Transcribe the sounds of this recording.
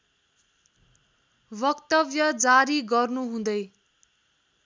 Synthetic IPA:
bʌkt̪ʌbjʌd͡zaɾiɡʌrnuɦũd̪ʌj

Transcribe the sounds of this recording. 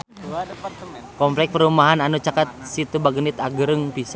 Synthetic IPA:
kɔmplɛk̚pəɾumaɦananut͡ʃakat̪̚sit̪ubaɡənit̪aɡəɾəŋpis

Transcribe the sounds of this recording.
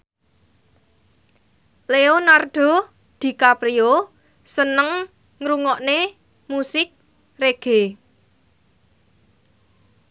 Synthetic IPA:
leonard̪̥ɔ̤ | d̪̥i̤kapɾio | sənəŋ | ŋɾuŋɔʔne | musɪk̚ | reɡ̥e̤

